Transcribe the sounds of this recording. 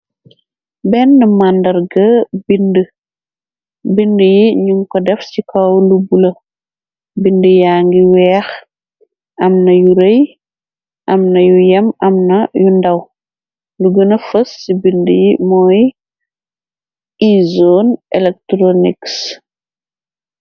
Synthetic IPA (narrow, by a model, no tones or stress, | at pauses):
bɛnːɐmandɐɾɡɐbində | bindəjiɲumkɔdɛfsikʰɐwlubulɐ | bindəjaːŋɡiwɛːx | ɐmnɐjuɾej | ʔɐmnɐjujɐmɐmnɐjundɐw | luɡənɐfəsːibindəjimɔːj | izonɛlɛk̚tɾoniks